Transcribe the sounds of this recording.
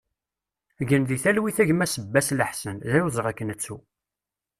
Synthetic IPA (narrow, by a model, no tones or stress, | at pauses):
ʝənðiθælwiθæʝmæsəbːæsləħsənðæjuzˤʁækːənət͡sːu